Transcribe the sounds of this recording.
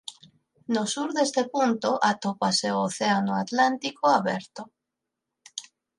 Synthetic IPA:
nosuɾðest̪epunt̪oʔat̪opaseooθeanoat̪lant̪ikoaβɛɾt̪o

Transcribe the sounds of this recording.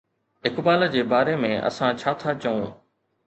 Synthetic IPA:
ɪkbaːləd͡ʑeːbaːɾemẽːʔɐ̰sãt͡ɕʰaːt̪ʰat͡ɕəũː

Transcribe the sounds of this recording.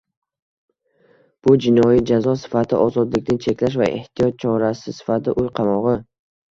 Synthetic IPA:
b̥ʊd͡ʒɪnɒjid͡ʒazɒsɪ̥fat̪ʰɪʔɒzɒd̪lɪkʲnɪnt͡ʃʰe̞kʲlaʃ̬va̰ʔe̞̰ht̪ʰijɒt̪̚t͡ʃʰɒɾasɪsɪ̥fat̪ʰɪʔʊjqʰɑmɒʁɨ

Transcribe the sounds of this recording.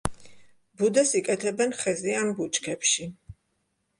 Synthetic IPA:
bud̪ɛsikʼɛt̪ʰɛbɛnχɛziambut͡ʃʼkʰɛpʃi

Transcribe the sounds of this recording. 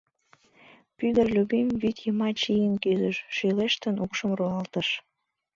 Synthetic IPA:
pyɣərlʲubimvyt̪jəmɑt͡ɕijənkyzəʃʃyleʃt̪ənukʃəmruɑlt̪əʃ

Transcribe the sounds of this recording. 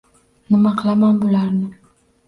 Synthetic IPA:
nɪmɑqlˠamanbolaɾnɪ

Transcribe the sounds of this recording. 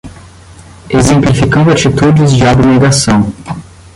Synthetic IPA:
ezẽmplifikɐ̃nd̪ʊat͡ʃit̪ud͡ʒɪzd͡ʒɪabneɡasɐ̃w̃

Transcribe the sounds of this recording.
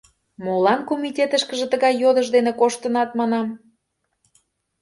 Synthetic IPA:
molɑnkomitʲet̪əʃkəʒĕt̪əɣɑjːod̪əʒd̪enekoʃt̪ə̆nɑt̪mɑnɑm

